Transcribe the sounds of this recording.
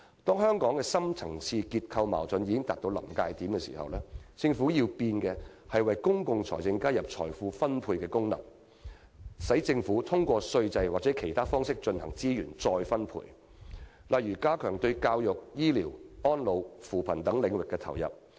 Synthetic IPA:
t̪ɔː˥ŋɦœː˥ŋkɔː˨˥ŋkɛː˧sɐ˥mt͡sʰɐ˨˩ŋt͡sʰiː˧kiː˧t̚kʰɐ˧wma̰ː˨˩wt͡sɵ˨˧njiː˨˧kɪ˥ŋt̪aː˨t̚t̪o˧wlɐ̰˨˩mkaː˧jt̪iː˨˥mkɛː˧sḭː˨˩hɐ̰˨wlɛː˥t͡sɪ˧ŋfuː˨˥jiː˧wpiː˧nkɛː˧ | hɐ˨jwɐ˨jkʊ˥ŋkʊ˧ŋt͡sʰɔ̰ː˨˩jt͡sɪ˧ŋkaː˥jɐ˨p̚t͡sʰɔ̰ː˨˩jfuː˧fɐ˥npʰuː˧jkɛː˧kʊ˥ŋlɐ̰˨˩m | sɐ˨˥jt͡sɪ˧ŋfuː˨˥t̪ʰʊ˥ŋkʷɔː˧sɵ˧ɥt͡sɐ˧jwaː˨˩t͡sɛː˨˦˥kʰe˨˩jt̪ʰaː˥fɔː˥ŋsɪ˥k̚t͡ʃɵ˧nhɐ̰˨˩ŋt͡siː˥jyː˨˩nt͡sɔː˧jfɐ˥npʰṵː˧j | lɐ˨jɥyː˨˩kaː˥kʰœː˨˩ŋt̪ɵ˧ɥkaː˧wjʊ˨k̚jiː˥liː˨˩wɔː˥nlo˨˧wfuː˨˩pʰɐ˨˩nt̪ɐ˨˥ŋlɪ˨˧ŋwɪ˨kːɛː˧t̪ʰɐ̰˨˩wjɐ̰˨p̚

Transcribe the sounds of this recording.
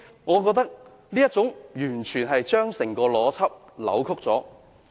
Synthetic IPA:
ŋɔː˨˧k̬ɔː˧k̚t̪ɐ˥k̚ | niː˥jɐ˥t̚t͡sʊ˨˥ŋjyː˨˩nt͡ʃʰyː˨˩nɦɐ˨jt͡ʃœː˥ŋsɪ˨˩ŋkɔː˧lɔː˨˥t͡sʰɐ˥p̚ | lɐ̰˨˥wkʰʊ˥k̚t͡sɔː˨˥

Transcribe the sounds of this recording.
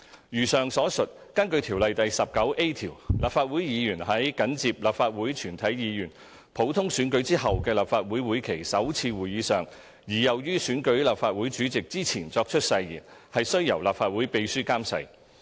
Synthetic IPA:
jyː˨˩sœː˨ŋsɔː˨˥sɵ˨t̚ | kɐ˥nkɵ˧t̪ʰiː˨˩wlɐ˨jt̪ɐ˨jsɐ˨p̚kɐ˨˥wʔe˥jt̪ʰiː˨˩wlʔaː˨p̚faː˧t̚wuː˨˥jjiː˨˧jyː˨˩nhɐ˨˥jkɐ˨˥nt͡siː˧p̚laː˨pfaː˧t̚wuː˨˥jt͡ʃʰyː˨˩nt̪ʰɐ˨˥jjiː˨˧jyː˨˩n | pʰo˨˥wt̪ʰʊ˥ŋsyː˨˥nkɵ˨˥ɥt͡siː˥hɐ˨wkɛː˧laː˨p̚faː˧t̚wuː˨˥jwuː˨˥jkʰe˨˩jsɐ˨˥wt͡sʰiː˧wuː˨˩jiː˨˥sœː˨˩ŋ | jiː˨˩jɐ˨˩wjyː˥syː˨˥nkɵ˨˥ɥlaː˨p̚faː˧t̚wuː˨˥jt͡ʃyː˨˥t͡sɪ˨k̚t͡siː˥t͡sʰiː˨˩nt͡sɔː˧k̚t͡ʃʰɵ˥t̚sɐ˧jjḭː˨˩nhɐ˨jsɵ˥ɥjɐ˨˩wlaː˨p̚faː˧t̚wuː˨˥jpe˧jsyː˥kaː˥msɐ̰˧j

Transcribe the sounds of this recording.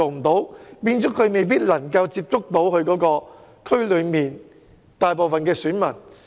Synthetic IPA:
o˨wm̩˨˩t̪o˨˥wpiː˧nt͡sɔː˨˥kʰɵ˨˧ɥme˨jp̬iː˥t̚lɐ˨˩ŋkɐ˧wt͡siː˧p̚t͡sʊ˥k̚t̪o˨˥wkʰɵ˧ɥkɔː˨˥kɔː˧ | kʰɵ˥ɥlɵ˨˧ɥmiː˨n | t̪aː˨jpo˨wfɐ˨nkɛː˧syː˨˥nmɐ˨˩n

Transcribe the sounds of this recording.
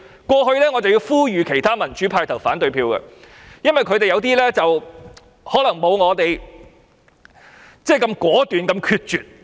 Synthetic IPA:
kʷɔː˧ɦɵ˧lɛː˥ŋɔː˨˧t͡sɐ˨wjiː˧wfuː˥jyː˨˧kʰe˨˩jt̪ʰaː˥mɐ˨˩nt͡ʃyː˨˥pʰaː˧jt̪ʰɐ˨˩wfaː˨˥nt̪ɵ˧ɥpʰiː˧wkɐ̰˧ | jɐ˥nwɐ˨jkʰɵ˨˧ɥt̪e˨jɐ˨˧wt̪iː˥lɛː˥t͡sɐ˨w | hɔː˨˥lɐ˨˩ŋmo˨˧wŋɔː˨˧t̪e˨j | t͡sɛː˥˩kɐ˧mkʷɔː˨˥t̪yː˨nkɐ˧mkʰyː˧t̚t͡ʃyː˨t̚

